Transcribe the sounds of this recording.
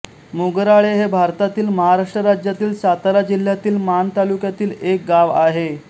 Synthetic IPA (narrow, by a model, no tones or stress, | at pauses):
muɡəɾaɭeɦebʱaɾt̪at̪iːlməɦaɾaʂʈɾəɾad͡ʑjat̪iːlsat̪aɾad͡ʑil̤ːjat̪iːlmant̪alukjat̪iːlek̚ɡaʋaɦe